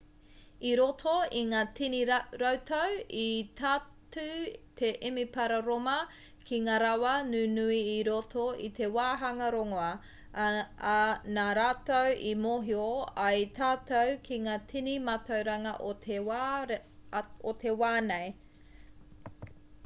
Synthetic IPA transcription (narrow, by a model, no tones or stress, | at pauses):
iɾotʰoiŋaːtiniɾowtowitʰa | tut̪ʰe̞ʔimipɐɾɐɾomɐ | kʰiŋaːɾawɐnuːnuiːɾotʰoḭt̪e̞waːɦɐŋɐɾoŋoɐ | naːɾaːtowʔimoɦioɐjt̪ʰaːt̪owkʰiŋaːtʰinimatʰɐwɾɐŋɐʔoe | ot̪ʰe̞waːnej